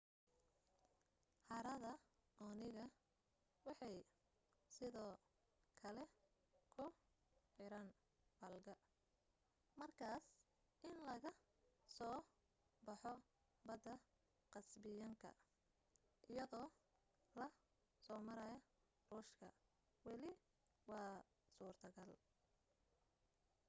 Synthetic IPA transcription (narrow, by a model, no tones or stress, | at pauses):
ħɑɾɐðɐ | ɔnɪɣɐ | wɑħɑj | sɪðɔː | kʰɐlɛ | kʰʊ | ħɪɾɐn | bɐlɡɐ | mɐrkʰaːs | ʔɪnlɐɣɐ | sɔː | bɑħɔ | bɐd̪ɐ | qɑsbɪjɐŋkʰɐ̰ | ʔɪjɐðɔː | lɐ | sɔːmɐɾɐjɐ | ruːʃkʰɐ̰ | wɑlɪ | wɑː | suːrt̪ʰɐɡɐl